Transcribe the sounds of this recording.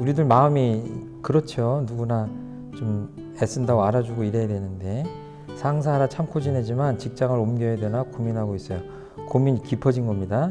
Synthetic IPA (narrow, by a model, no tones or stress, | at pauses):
uɾidɯɭmaɯmi | kɯɾʌt͡ɕʰonuɡuna | t͡ɕom | es͈ɯndaɡoaɾad͡ʑuɡoiɾejadwe̞nɯnde̞ | sʰaŋs̬ʰaɾat͡ɕʰamkʰod͡ʑinɦe̞d͡ʑimant͡ɕik̚t͡ɕ͈aŋɯɾomɡjʌjedwenakominɦaɡois͈ʌjo | komiɲikipʰʌd͡ʑinɡʌmɲida